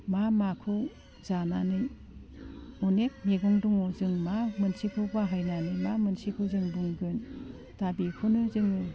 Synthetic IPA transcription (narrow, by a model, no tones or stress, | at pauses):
mamakʰɯw | zananɯj | unek̚meɡuŋduŋuzɯŋmamɯnsikʰɯbaɦajnanimamɯnsikʰɯzɯŋduŋɡɯn | tabikʰɯnɯzɯŋɯ